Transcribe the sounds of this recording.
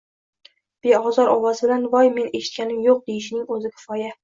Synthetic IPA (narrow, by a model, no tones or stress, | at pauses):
b̥eɒzɒɾʔɒwɒzbɪlanvɒjme̞neʃɪ̥t̪̚kʲʰanɪmjoq̚d̪ejɪʃɪnɪŋɵzɪkʲʰɪ̥fɒja